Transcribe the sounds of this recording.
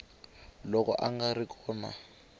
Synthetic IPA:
lɔkʼɔ̰ʔaŋɡarikʰɔːna̰

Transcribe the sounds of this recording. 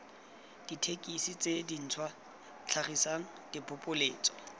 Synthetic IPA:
d̥itʰekʼisit͡sʼedin̩t͡sʰwa | t͡ɬʰaχisaŋ̩d̥ɪpʰʼʊpʼʊleːt͡sʼɔ̥

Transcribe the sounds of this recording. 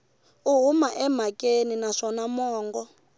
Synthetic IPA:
uɦumaʔɛmakʼeninaʂɔnamɔːŋɡɔ

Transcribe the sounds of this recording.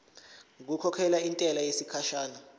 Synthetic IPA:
ŋk̬ukʰɔkʰɛlaintʼɛlajesikʰaʃaːna

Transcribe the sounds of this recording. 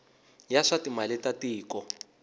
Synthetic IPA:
jaʂatimalɛtatiːkɔ

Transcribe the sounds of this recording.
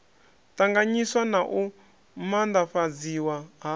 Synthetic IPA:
taŋɡaɲiswanaʔu | mand̪aɸad͡ziwaɦa

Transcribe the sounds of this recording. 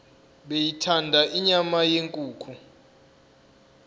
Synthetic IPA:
ɓejitʰandʱaʔiɲamajeŋkʼuːkʰu

